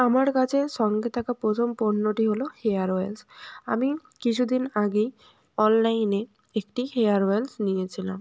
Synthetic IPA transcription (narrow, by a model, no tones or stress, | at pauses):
amaɽkad͡ʑesɔŋɡet̪ʰakapɾot̪ʰomponːoʈiɦolohejaɾelsa̰mi | kit͡ɕʰud̪inaɡe | ɔnlajne | ekʈiheaɾwelsnijet͡ʃʰila̰m